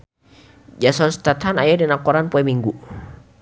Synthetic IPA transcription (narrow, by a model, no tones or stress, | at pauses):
d͡ʒasɔnst̪at̪ɦanajadɛnakɔɾanpɔɛmiŋɡu